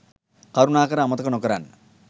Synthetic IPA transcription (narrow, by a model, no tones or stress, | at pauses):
kɐɾunaːkɐɾɐɐmɐt̪ɐkɐnokːɐɾa̰ːn